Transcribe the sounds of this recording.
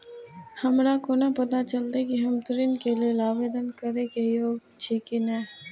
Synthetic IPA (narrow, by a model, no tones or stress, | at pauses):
hɐmɾakonapɐt̪at͡ʃɐlt̪ekiɦɐmt̪əɾɪnkelielaːʋeːd̪ənkɐɾekejoːɡt͡ʃʰiːkɪnɛ̃ː